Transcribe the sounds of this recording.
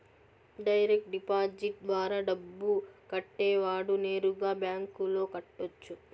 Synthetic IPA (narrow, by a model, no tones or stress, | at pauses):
ɖɐjɾek̚ʈɖipaːd͡ʒiʈ̚d̪ʋaːɾaːɖɐbːukɐʈːeːʋaːɽune̞ːɾuɡaːbjaːŋkulo̞ːkɐʈːot͡ʃːu